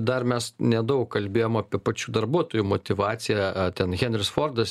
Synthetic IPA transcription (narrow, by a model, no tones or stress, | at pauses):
d̪ɐrmʲɛsnʲɛd̪ɐʊkkɐlʲbʲeːjoːmɑːpʲiɛpɐt͡ʃʲuːd̪ɐrbuɔt̪oːjumot̪ʲɪʋɑːt͡s̪ʲɪjɛt̪ʲɛnɣʲɛnʲɾʲɪsfoːrd̪ɐs